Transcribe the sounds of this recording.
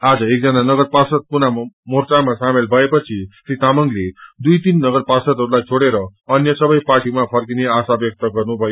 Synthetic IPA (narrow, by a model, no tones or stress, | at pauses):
ad͡zʌek̚d͡zʌnanʌɡʌɾpasʌd̪̚punamort͡samasamelbʱʌepʌt͡sʰisɾit̪amʌŋɡled̪ujt̪inːʌɡʌɾpasʌd̪ɦʌɾulajt͡sʰoɽeɾʌʌnjʌsʌbʌjparʈimapʰʌrkineasabjʌk̚t̪ʌɡʌrnubʱʌjo